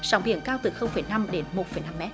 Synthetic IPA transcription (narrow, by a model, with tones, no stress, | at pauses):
zaː˨˦ŋ͡mɓḭ˧˨ənkaː˧wt̪ɨ˨˩xə˧wŋ͡mfə˧˩jna˧mɗe˨˦nmo˨˩t̚fə˧˩jna˧mːɛ˦˥t̚